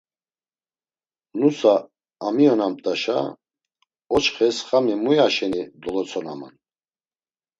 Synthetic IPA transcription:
nusaː | miɔnamt̪ʼaʃa̰ | ɔt͡ʃχɛsχamimujaʃɛnid̪ɔlɔt͡sʰɔna̰ma̰n

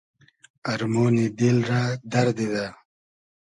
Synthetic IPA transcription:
ɐɾmoːnid̪ilɾaːd̪ɐɾd̪id̪a

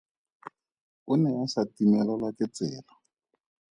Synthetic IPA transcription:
ʊnɛasatimɛlɔlakɛt͡sɛ̰ːla

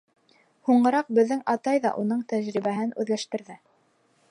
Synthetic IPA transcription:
huɴɢɤ̆ɾɑq̚bɘ̆ðːɘŋʔɑt̪ɑjðɑ̰ʔunɤɴt̪æʒɾiβæɦɘnʉ̰ðlæʃt̪ɘ̆ɾðɘ

